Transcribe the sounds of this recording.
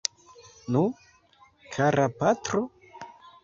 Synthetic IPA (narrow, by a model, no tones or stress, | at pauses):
nu | kʰaɾapatɾo